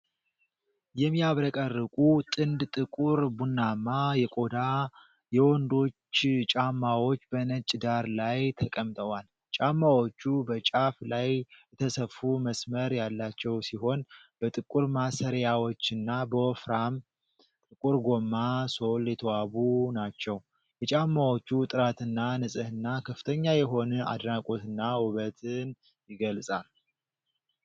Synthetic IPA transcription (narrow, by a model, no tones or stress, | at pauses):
jɛmːiaβɾəkʼərːɨkʼut̪ʼɨnd̪t̪ʼɨkʼuɾbunːamːajɛkʼo̞d̪a | jɛwɔnd̪o̞t͡ʃːt͡ʃʼamːawo̞t͡ʃːbənət͡ʃʼd̪aɾlajt̪ʰəkʼəmt̪ʼəwal | t͡ʃʼamːawo̞t͡ʃːubət͡ʃʼaflajɛt̪ʰəsəfːuməsməɾjalːat͡ʃːɛwsiho̞nb̥ət̪ʼɨkʼuɾmasəɾjawo̞t͡ʃːɨnːabəofɾam | t̪ʼɨkʼuɾɡo̞mːaso̞ljɛt̪ʰəwaβunat͡ʃːɛw | jɛt͡ʃʼamːawo̞t͡ʃːut̪ʼɨɾat̪ɨnːanɨsʼɨhɨnːakʰəfɨt̪ʰəɲːajɛɦo̞nəa̰d̪nakʼo̞t̪ɨnːawʊβət̪ʰɨn | jɪɡəlsʼal